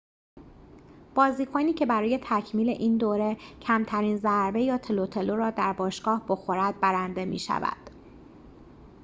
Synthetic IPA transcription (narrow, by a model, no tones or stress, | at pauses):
b̥ɒːziːkʰoniːcʰe̞bæɾɒːje̞t̪ʰæcʰmiːle̞ʔiːnd̪oːɾe̞cʰæmt̪ʰæɾiːnzæɾbe̞jɒːt̪ʰelot̪ʰe̞loɾɒːd̪æɾbɒːʃɡ̥ɒːhbo̞xo̞ɾæd̪̚bæɾænd̪e̞mḭːʃæ̰væ̰d̪̥